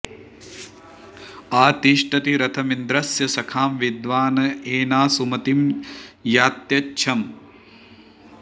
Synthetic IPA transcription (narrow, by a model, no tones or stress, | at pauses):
aːt̪iʃʈʰɐt̪iɾɐt̪ʰɐmind̪ɾɐsjɐsɐkʰaːmʋid̪ʋaːnɐeːnaːsumɐt̪imjaːt̪jɐtːʃʰɐm